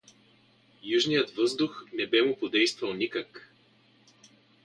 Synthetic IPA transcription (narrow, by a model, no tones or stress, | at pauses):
juʒnijət̪vɤzd̪ʊxnɛbɛmʊpod̪ɛjst̪vɐlˠnikək